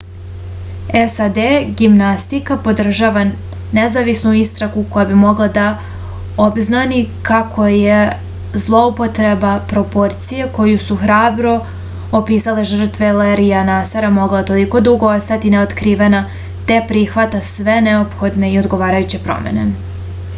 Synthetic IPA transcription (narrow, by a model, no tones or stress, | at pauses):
esad̪eɡimnast̪ikapo̞d̪r̩ʒaʋa | nezaʋisnuist̪ɾakuko̞jabimo̞ɡlˠad̪a | obznanikakʰo̞je | zlˠo̞upo̞t̪ɾe̞bapɾo̞po̞ɾt̪sije̞ko̞jusuxɾaːbɾo̞ | opiːsale̞ʒr̩t̪ʋeleɾijanasaɾamo̞ɡlˠat̪o̞liko̞d̪uɡo̞ost̪at̪ine̞o̞t̪kɾiːʋena | t̪e̞pɾiːxʋat̪asʋe̞neo̞pxo̞d̪ne̞io̞d̪ɡo̞ʋaːɾajut͡ɕe̞pɾo̞̰mḛne̞